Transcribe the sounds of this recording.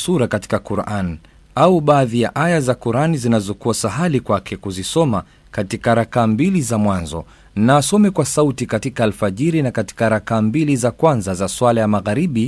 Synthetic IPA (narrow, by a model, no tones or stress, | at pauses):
suɾakati̥kakuɾʔan | auɓaːðijaʔajazakuɾanizinazɔkuasaɦalikwakʰɛkuzisɔma | katikaɾakambilizamwanzɔ̰ | naːsɔmɛkwasautikatikaalfaʄiɾinakati̥kaɾakambilizakwanzazaswalajamaɣaɾiɓi